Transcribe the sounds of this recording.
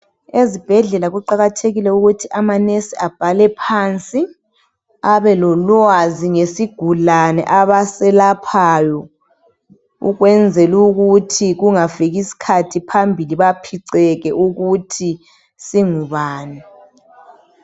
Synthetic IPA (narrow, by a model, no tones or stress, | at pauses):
ezib̥ʱɛɮɛlaɣuǃaɣatʰeɣilɛuɣutʰiʔamanesiab̥ʱalɛpʰaːnt͡sʼi | aβɛlɔlwaziŋesiɡ̥ʱulanɛ̰ʔaβasɛlapʰajɔ | ṵɣwɛnd͡zʱɛluɣutʰiɣuŋaviɣisi̥kʰatʰipʰambʱiliβapʰiǀɛɣɛʔuɣutʰi | siŋuβaːni